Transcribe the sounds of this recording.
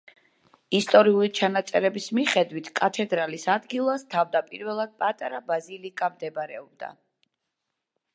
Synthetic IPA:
ist̪ʼɔɾiulit͡ʃʰanat̪sʼɛɾɛbismiχɛd̪wit̪ʰkʼat̪ʰɛd̪ɾalisad̪ɡilˠast̪ʰavd̪apʼiɾvɛlˠad̪̥̚pʼat̪ʼaɾabazilikʼamd̪ɛbɾɛɔb̚d̪a̰

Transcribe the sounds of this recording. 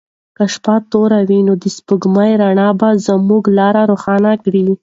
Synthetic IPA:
kaʃpɑt̪oɾawinod̪əspəɡmajɾaɳɑbazəmuɡlɑɾaɾoxɑnakɽi

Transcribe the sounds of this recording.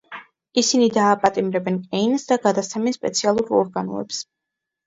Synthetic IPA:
isinid̪aːpʼat̪ʼimɾɛbɛnkʼɛinsd̪aɡad̪at̪sʰɛmispʼɛt̪sʰialˠuɾɔɾɡanɔ̰ɛ̰ps

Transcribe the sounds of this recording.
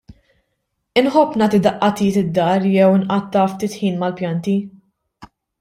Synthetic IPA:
ɪnħɔpːnɐːt̪id̪ɐʔːɐt̪iːt̪ɪd̪ːɐːɾjɛwnʔɐt̪ːɐft̪iːt̪ħiːnmɐlpjɐnt̪i

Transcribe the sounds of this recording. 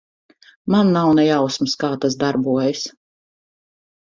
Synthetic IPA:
manːawnɛjawsmɨskaːt̪azd̪aɾbuɔjɪs

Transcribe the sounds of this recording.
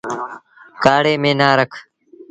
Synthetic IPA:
kaːɽeːmẽːnaːɾəkʰ

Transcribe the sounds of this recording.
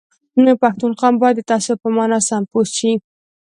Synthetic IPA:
nepaxt̪unqɑmbɑjd̪ːət̪ɑsopəmɑnɑsamposʃi

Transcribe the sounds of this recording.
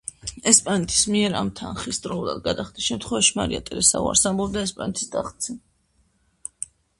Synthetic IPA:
ɛspʼanɛt̪ʰi̥smiɛɾa̰mt̪ʰa̰nχist̪ʼɾɔulˠa̰d̪̚ɡad̪aχd̪isʃɛmt̪ʰχwɛvaʃima̰ɾia̰t̪ʼɛɾɛsa̰ṵa̰ɾsambɔbd̪aɛspʼanɛt̪ʰi̥sd̪a̰χt̪sʰɛ

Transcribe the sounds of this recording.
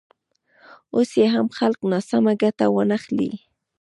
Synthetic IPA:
ʊsjeɦamxalqnasamaɡat̪awanaχlḭ

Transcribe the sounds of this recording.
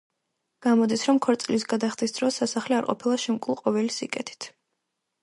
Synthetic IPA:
ɡ̥amɔd̪isɾɔmkʰɔɾt̪sʼlisɡad̪aχt̪ʰʼisd̪ɾɔsasaχliaɾqʼɔ̰pʰilˠaʃɛmkʼulˠqʼɔvɛlisikʼɛt̪ʰi̥t̪ʰ

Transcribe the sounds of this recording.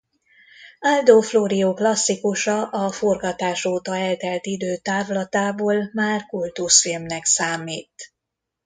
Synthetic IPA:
ald̪oːfloːɾijoːklɒsːikuʃɒʔɒforɡɒt̪aːʃoːt̪ɒɛlt̪ɛlt̪id̪øːt̪aːvlɒt̪aːboːlmaːrkult̪usfilmnɛksaːmiːt̪

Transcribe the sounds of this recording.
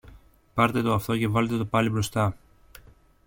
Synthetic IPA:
pɐɾt̪e̞t̪o̞ɐft̪o̞ce̞vɐle̞t̪e̞t̪opɐlibɾo̞st̪ɐ

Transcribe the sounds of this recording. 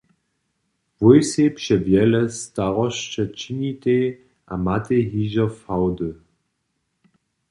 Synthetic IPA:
vujsepʃɛvjɛlɛstaʁɔʃt͡ʃət͡ʃinite | ʔa̰mateɦiːʒɐfawdə

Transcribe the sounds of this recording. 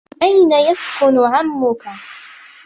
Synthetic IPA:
ʔajnajaskʊnʊʕamːʊka

